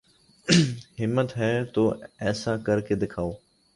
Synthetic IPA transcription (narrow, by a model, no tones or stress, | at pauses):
ɦɪmːət̪ɦɛːt̪oːɛːsaːkəɾkeːd̪ɪkʰaːoː